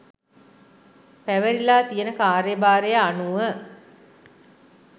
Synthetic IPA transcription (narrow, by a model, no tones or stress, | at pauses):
pæʋəɾilaːt̪ijənəkaːɾjəbaːɾejəanuʋə